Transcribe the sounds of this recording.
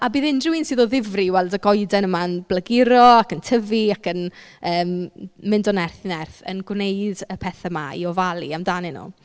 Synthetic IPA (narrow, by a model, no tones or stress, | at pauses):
abiːðɪndrɪwinsiːðɔðɪvriwɛlˠdəɡɔjdɛnəmaənb̥ləɡɪɾɔakəntʰəviakənəːmːɪndɔnɛrθnɛrθə̰nɡwnejdəpʰɛθamaḭɔvalˠiamdaːnɪnṵː